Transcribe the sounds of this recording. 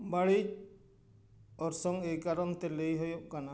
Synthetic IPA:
baɭi | ɔɾsɔŋejkaɾɔnt̪ɛlejɦojɔʔ̚kana

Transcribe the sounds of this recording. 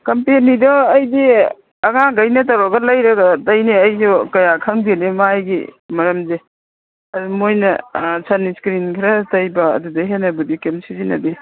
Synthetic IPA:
kɐmpenidɔɐjdi | ɐŋaɡɐjnɐt̬ɐwɾɔɡɐlɐjɾɐɡɐtɐjneɐjsukɐjakʰɐŋbinemajɡḭmɐɾɐmze | ɐdumojnɐ̰sʰɐniskɾinkʰiɾɐtɐjbɐ̰ːdudɐɦenːɐbudikemsizinɐbi

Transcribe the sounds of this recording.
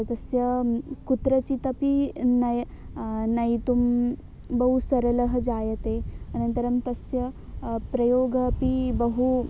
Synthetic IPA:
t̪əsjəkut̪ɾət͡ɕit̪əpinaj | naɦit̪um | bəɦusəɾələɦəd͡zajət̪eñənt̪əɾəmt̪əsjə | pɾəjoɡəpibəɦu

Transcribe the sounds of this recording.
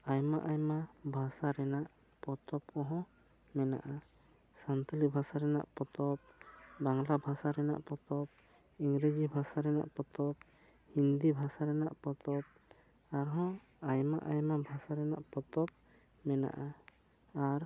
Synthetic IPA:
ajmaʔajmabʱasaɾɛnaʔ | pɔt̪ɔp̚kɔɦɔ̃ | mɛna̰ʔa | sant̪ɔlibʱasaɾɛna̰ʔpɔt̪ɔp̚baŋlabʱasaɾɛna̰ʔpɔt̪ɔp̚ | iŋɡɾed͡ʒibʱasaɾɛna̰ʔpɔt̪ɔp̚ | hind̪ibʱasaɾɛnaʔpɔt̪ɔp̚ | aɾɦɔ̃ | ajma̰ʔajmabʱasaɾɛnaʔpɔt̪ɔp̚ | mɛna̰ʔa | aɾ

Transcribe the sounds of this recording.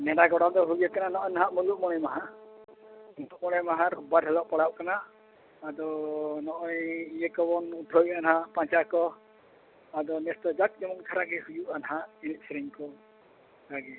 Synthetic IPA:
nɛɽaɡɔɽad̪ɔɦuɡakananɔʔɔjnaɦaʔmuluʔ̚mɔɽ̃ɛmaɦa | muluʔ̚mɔɽ̃ɛjmaɦãɾbad̪ɦɛlɔʔpaɽaʔ̚kanaː | d̪ɔnɔʔɔjijɛkɔbɔnud̪ʰʱɔjanaɦaʔpãt͡ʃakɔ | ad̪ɔnɛst̪ɔd͡ʒat̪̚kɛmɔŋt̪ʰaɾaɡɛhujuʔanaɦaʔinit̪̚sɾiŋkɔ | ɡaɡɛ

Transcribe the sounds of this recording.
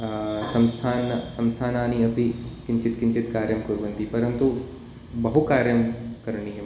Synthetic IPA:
sɐ̃mst̪ʰaːnsɐ̃mst̪ʰaːnaːniɐpikɪ̃ɲt͡ʃɪt̪kɪɲt͡ʃɪt̪kaːɾjɐmkuɾʋɐ̃nt̪ipɐɾɐnt̪u | bɐɦukaːɾjɐmkɐɾɳiɦɛ

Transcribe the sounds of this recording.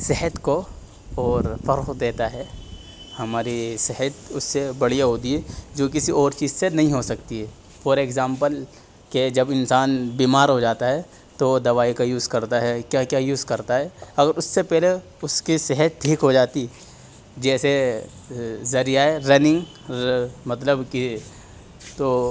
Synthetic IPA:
seɦət̪ko | ɔːɾfɐɾxd̪eːt̪aɦɛ | hɐmaːɾisɛɦət̪ʊsːebɐɽ̤ijaɦoːd̪iɦɛd͡ʒoːk̬ɪsiɔːɾt͡ʃiːzsenɐɦĩɦosɐkt̪iɦɛː | pɔːɾeːkzaːmpəl | ked͡ʒɐbɪnsaːnbiːmaːɾɦod͡ʒaːt̪aɦɛː | t̪od̪ɐʋaːikajuːzkɐɾt̪aɦɛkjaːkjaːjuːzkɐɾt̪aɦɛːɐɡəɾʊsːepɛɦle | ʊskisɛɦət̪̚ʈʰiːkɦod͡ʒaːt̪i | d͡ʒɛːse | zɐɾijaːeɾɐnɪ̃ŋɡ | mɐt̪ləbki | t̪oː

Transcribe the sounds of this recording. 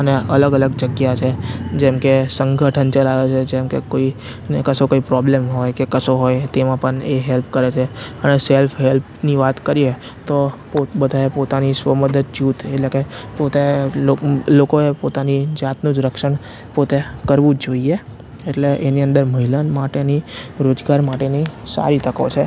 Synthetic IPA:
əneələɡələɡd͡ʒəɡjat͡ʃʰed͡ʒɛmkesəŋɡʱəʈʰənt͡ʃəlaʋet͡ʃʰed͡ʒemkḛkoi | nekəsokoipɾɔblemɦojkekəsoɦojt̪emãpəɳeɦelpkəɾet͡ʃʰeəneselfɦelpniʋat̪kəɾie | t̪opobəd̪ʱaepot̪anisʋəməd̪əd̪̚d͡ʒut̪eʈlekepot̪eolokoepot̪anid͡ʒat̪nũd͡ʒɾəkʃəɳ | pot̪ekəɾʋũd͡ʒoie | eʈleʔeniənd̪əɾməɦilanmaʈeniɾod͡ʒɡaɾmaʈenisa̰ɾit̪ʰəko̰t͡ʃʰe

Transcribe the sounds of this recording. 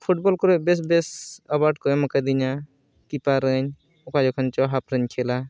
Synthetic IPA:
pʰuʈ̚bɔlkɔɾɔbes̬besəbaʈkɔmɐkad̪iɲa | kipaɾəɲ | ɔkad͡ʒɔkʰənt͡ʃɔɦapɾəɲkʰela

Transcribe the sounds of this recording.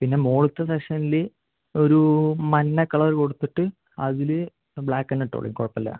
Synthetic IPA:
pinːe̞moːɭut̪ːɐseʂɐnile | o̞ɾumɐnːɐkːɐɭɐrko̞ɽut̪ːiʈːɨ | ɐðilɨ | bɭaːkːɐnːeʈːo̰ːɭḭŋkuɻɐpːɐlːɐ̰

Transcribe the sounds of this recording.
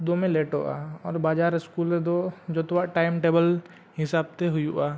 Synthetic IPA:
d̪oːmẽleːʈo̰ʔa̰ːɔːɾbaːd͡ʒaːɾɪskuːled̪od͡ʒot̪waʈaːɪmʈeːbəl | ɦɪsaːb̚t̪eɦʊjuʔaː

